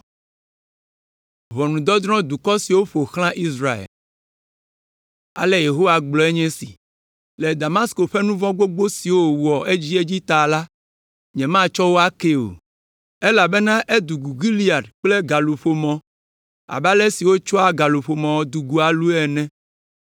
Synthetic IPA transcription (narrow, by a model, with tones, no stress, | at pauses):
βɔ˨nũ˨d̪ɔ˦d̪ɾɔ̃˦d̪u˨kɔ˦si˨wo˦ɸo˨xl̃ã˦ʔi˦sɾa˦˨ḛ˨l | a̰˨le˦je˨ɦo˦wa˨ɡ͡blɔ˨e˦ɲɛ̃˦sḭ˨ | le˨d̪a˨mã˦sko˨ɸe˦nũ˦vɔ̃˦ɡ͡bo˦ɡ͡bo˦si˨wo˦wu˨ɔ˨ʔe˦d͡ʑi˦e˦d͡ʑi˦t̪a˨la˦ | ɲɛ̃˨mã˦t͡ʃɔ˦wo˦a˦ke˦o̰˨ | e˦la˨be˦nã˦ʔe˦d̪u˨ɡu˨ɡi˦li˦a˨dk͡ple˦ɡa˨lu˨ɸo˨mɔ̃˨ | a̰˨ba˦le˦si˨wo˦t͡ʃɔ˦a˦ɡa˨lu˨ɸo˨mɔ̃˨wɔ˦d̪u˨ɡu˨a˨lu˦ɛ˨nɛ̃˦